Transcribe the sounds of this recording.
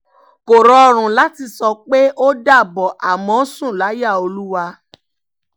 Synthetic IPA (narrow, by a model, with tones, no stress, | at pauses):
ko˨ɾɔ˨˧ɾ̃ũ˨la˨˦ti˧sɔ˧k͡pe˦ʔo˦da˦˨bɔ˨ʔa˨mɔ̃˨˦sũ˦˨la˨˦ja˦˨o˧lu˦wa˧